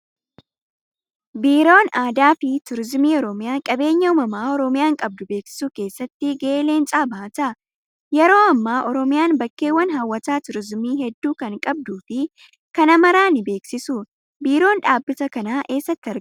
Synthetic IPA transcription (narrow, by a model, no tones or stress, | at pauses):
biːɾo̞ːnaːd̪aːfɪt̪ʊɾɪzmiːɔɾɔmɪjaːkʼɐbe̞ːɲːɐʊːmɐmaːɔɾɔmɪjaːŋkʼɐb̚d̪ʊbe̞ːksɪ̥suːke̞ːsːɐt̪ːɪɡeeːle̞ːnt͡ʃʼaːbaːt̪ɐ | jɛɾo̞ːɐmːaːʔɔɾɔmɪjaːnbɐkːe̞ːwːɐnɦawːɐt̪aːt̪ʊɾɪzmiːɦɛd̪ːuːkɐŋkʼɐb̚d̪uːfɪ | kɐnɐmɐɾaːnɪbe̞ːksɪsuː | biːɾo̞ːnᶑaːbːɪt̪ɐkɐnaːʔe̞ːsːɐt̪ːɪɐɾ